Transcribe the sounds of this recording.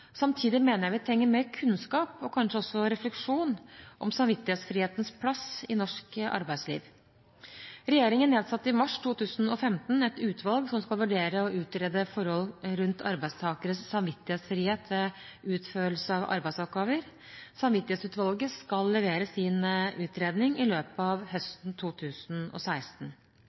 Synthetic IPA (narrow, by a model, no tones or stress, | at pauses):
sɑmt̪ʰiːd̪ɪmeːnəɾjæɪʋɪt̪ʰɛŋːəmeːɾkʰʉnskɑːpɔkʰɑnʂəɔsːɔɾɛflɛkʂuːnʔɔmsɑmʋɪt̪ːɪheːt̪sfɾiːheːt̪ənspʰlɑsɪnɔʂkʔɑ̰ɾbæɪd̪slḭːʋ | ɾɛjeːɾɪŋənːeːd̪sɑt̪ːɪmɑʂt̪ʰuːt̪ʰʉːsənɔfɛmt̪nɛt̪ʉːt̪ʰʋɑlɡsɔmskɑlʋʉɖeːɾəɔʔʉːt̪ɾeːd̪əfɔɾhɔlɾʉnt̪ʰɑ̰ɾbæɪst̪ʰɑːkəɾəsːɑmʋɪt̪ːɪheːt̪sfɾiːheːt̪ʰʋɛʉːt̪føːl̩səɑʋʔɑ̰ɾbæɪsɔp̚ɡɑːʋəɾ | sɑmʋɪt̪ɪhet̪sʉːt̪ʋɑlɡəskɑlːɛʋeːɾəsiːnʔʉːt̪ɾeːd̪nɪŋɪløːpəɑʋhœst̪n̩t̪ʰuːt̪ʰʉːsnɔ̰sæɪst̪n̩